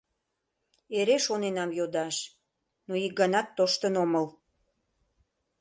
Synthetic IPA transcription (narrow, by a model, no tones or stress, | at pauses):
eɾeʃonenɑmjod̪ɑʃ | noik̚ɡɑnɑt̪ːoʃt̪ənoməl